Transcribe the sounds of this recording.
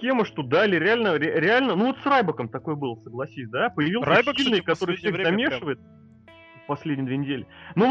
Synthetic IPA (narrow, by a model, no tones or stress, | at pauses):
kʲeməʂt̪od̪aɪlʲɪɾʲɪalʲnəɾʲɪɾʲɪalʲnənuvo̞t̪srajbəkəmt̪ɐko̞jəbɨlˠəsəɡlˠɐsʲisʲd̪apəjɪvʲilˠsʲilʲnɨjkɐt̪o̞ɾɨjfsʲexzɐmʲe̞ʂɨvəjɪt̪̚ | pɐsʲlʲedʲɪjəd̪vʲenʲɪdʲelʲɪnu